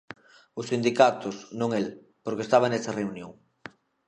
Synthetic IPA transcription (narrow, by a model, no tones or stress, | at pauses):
ʊsind̪ikat̪ʊsnõŋel | poɾkest̪aβɐnɛsɐreunjõ̰ŋ